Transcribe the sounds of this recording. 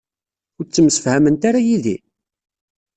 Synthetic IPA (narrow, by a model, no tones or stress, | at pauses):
ʊɾt͡sːəmsə̥fhæmənt̪aɾajiðḭ